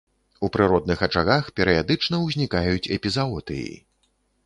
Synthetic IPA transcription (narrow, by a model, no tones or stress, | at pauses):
upɾɨɾɔd̪̚nɨxɐt͡ʂaɣaxpʲɛɾɨjad̪ɨt͡ʂnɐwzʲnʲikajut͡sʲɛpʲizaɔt̪ɨ̰jḭ